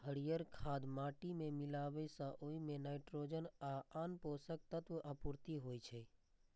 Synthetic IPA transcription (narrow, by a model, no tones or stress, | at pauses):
ɦəɽijəɾkʰaːd̪maːʈimẽmɪlaːʋəsãʔoimẽnaːɪʈɾoːd͡ʒənaːaːnpoːsək̚t̪ət̪ʋəʔəpuɾt̪iɦoːit͡ʃʰɛː